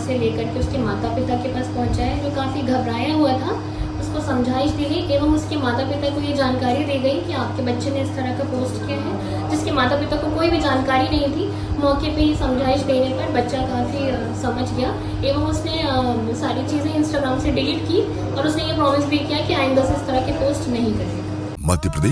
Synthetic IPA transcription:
seleːkɐɾkeʊskemaːt̪apɪt̪akepaːspɐɦʊ̃nt͡ʃaɛd͡ʒoːkaːfiɡʱɐbɾaːjaɦuat̪ʰa | ʊskosɐ̃md͡ʒʱaːɪʃd̪eːɡɐiʔeːʋəmʊskemaːt̪apɪt̪akojed͡ʒaːnkaːɾid̪eːɡɐikiaːp̚kebɐtːʃeneɪst̪ɐɾakapoːsʈkiaɦɛː | d͡ʒɪskemaːt̪apɪt̪akokoːibʱid͡ʒaːnkaːɾinɐɦĩt̪ʰi | mɔːkepejesɐ̃md͡ʒʱaːɪʃd̪eːnepɐɾbɐtːʃakaːfi | sɐməd͡ʒʱɡija | eːʋəmʊsne | saːɾit͡ʃiːzẽɪ̃nsʈaːɡɾaːmseɖilʈkiː | ɔːɾʊsnejepɾɔːmɪsbʱikijakiaːɪ̃nd̪aseɪst̪ɐɾakepoːsʈnɐɦĩkɐɾe | mɐt̪jəpɾɐd̪eː

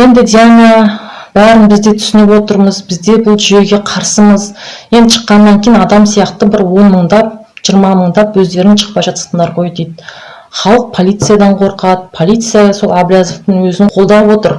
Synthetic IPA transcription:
je̞nd̪ɪd̪ianʲiabæɾənbɪzd̪e̞t̪ʰʏ̥sɪnɪpwo̞t̪əɾməzbɪzd̪e̞bʊlˠʒʏje̞ɡʲe̞qʰɑɾsəməzje̞nd̪ɪʃʰə̥qːɑnːɑŋkʲʰejnɑd̪ɑmsijɑqt̪əbɪɾwo̞nməɴd̪ɑp̚ʒ̥ijəɾmɑməɴd̪ɑpwɵzd̪e̞ɾɪnʃʰə̥q̚pɑjʒɑt̪ə̥sənd̪ɑɾʁo̞jd̪ejd̪ | χɑlˠəq̚pʰo̞lˠijt̪sɨjad̪ɑɴqʰo̞ɾqɑt̪pʰo̞lʲˠijt̪sɨjaso̞lˠablʲjazoft̪əŋwɵzɪɴqʰo̞lˠd̪ɑpwo̞t̪əɾ

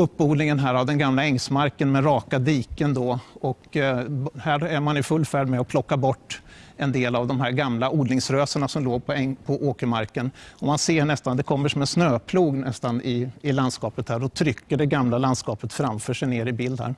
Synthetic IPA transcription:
ɵpːuːd̪nɪŋənɦæːɾavd̪ɛnɡamlaɛŋsmaɾkənmɛɾɑːkad̪iːkənd̪ɔɔk | hæːɾæɾmanɪfɵlːfæːɖmɛɔpʰlɔkːabɔʈːɛnd̪eːlavd̪ɔmɦæɾɡamlaʔuːɖ̪nɪŋsɾøːsəɳasɔmloːɡpʰɔɛpʰɔʔoːkəmaɾkənɔmanseːɳɛst̪and̪ɛkʰɔmːəʂɔmɛsnøːpʰluːɡnɛst̪anɪɪland̪skɑːpət̪hæːɾɔt̪ʰɾʏkːəɖɛɡamlaland̪skɑːpət̪fɾamfœːʂɛjneːɾɪbɪld̪a̰ɾ

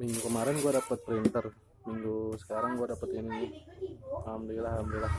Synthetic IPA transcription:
miŋɡukəmaɾɛnɡuadapət̪̚pɾint̪ər | miŋɡusə̥kaɾaŋɡuadapət̪ini | amdilahamdilah

